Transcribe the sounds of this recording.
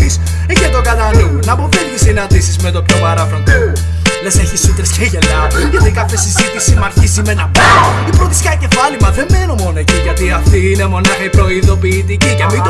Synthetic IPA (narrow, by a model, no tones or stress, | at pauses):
is | ecet̪o̞kɐt̪ɐnumunɐpoviʝisinɐnd̪isizmet̪o̞pçopɐɾɐfɾot̪o | leseçisut̪ɾesceʝenɐʝɐt̪ikɐθesizit̪isimɐɾçisimenɐpɐipɾoθiskɐce̞fɐlimɐðe̞mmːenomo̞noeciʝɐt̪iɐft̪iine̞mo̞nɐxɐpɾo̞iðo̞piːt̪icicemit̪